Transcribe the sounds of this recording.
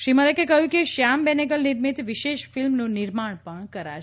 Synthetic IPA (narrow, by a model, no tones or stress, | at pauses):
ʃɾimələkekəɦjũkeʃambɛneɡəlniɾmit̪ʋiʃeʃfilmnũniɾmaɳpəɳkəɾa̰